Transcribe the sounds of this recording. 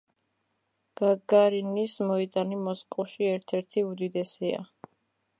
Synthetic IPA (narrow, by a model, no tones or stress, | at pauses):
ɡ̥aɡaɾinismɔit̪ʼanimɔskʼuʃiɛɾt̪ʰɛɾt̪ʰiud̪id̪ɛsia̰